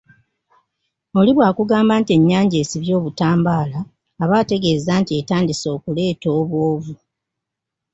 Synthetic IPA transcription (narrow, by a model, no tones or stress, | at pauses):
o̞liβwaːkuɡaːmbaːntie̞ɲːaːɲɟe̞ːsiβjo̞ːβutaːmbaːlaː | βaːte̞ɡe̞ːzaːntie̞taːndiso̞ːkule̞ːto̞ːβwoːvu